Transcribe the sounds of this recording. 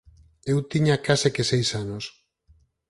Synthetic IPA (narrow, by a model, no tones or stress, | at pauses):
ewt̪iɲakasekesejsanos